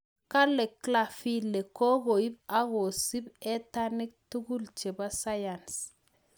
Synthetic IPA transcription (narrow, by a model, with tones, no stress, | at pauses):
ka˦lːɛ˨kla˦˨fi˦le˨ko˦ɡo˨i˦b̚a˦ɡo˨si˦bɛ˦ta˦ni˦k̚tu˦ɡu˦lt͡ʃe˨ba˦sa˦ja˨ns